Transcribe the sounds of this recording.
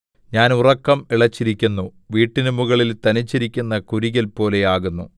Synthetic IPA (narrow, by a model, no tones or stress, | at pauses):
ɲaːnurɐkːɐmiɭɐt͡ɕːiɾikʲːunːu | ʋiːʈːinɨmuɣɐɭilt̪ɐnit͡ɕːiɾikʲːunːɐkuɾiɣɐlpo̞ːle̞jaːɣunːṵ